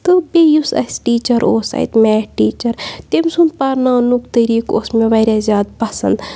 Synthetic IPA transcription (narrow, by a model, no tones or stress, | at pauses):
t̪ɨbejusɐ̰sʲʈiːt͡ʃɐɾoːsɐ̰jt̪mɛːʈiːt͡ʃɐɾt̪emsunpɐɾnãːnukt̪əɾiːko̰ːsmeʋɐɾʲazʲjaːd̪̚pɐsɐ̰nd̪